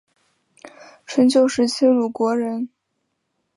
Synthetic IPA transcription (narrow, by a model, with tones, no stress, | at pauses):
ʈ͡ʂʰə˧˥ŋt͡ɕjo˥˩ʊʂɻ̩˧˥t͡ɕʰi˥˩lu˨˩kwɔ˧˥ɻə˧˥n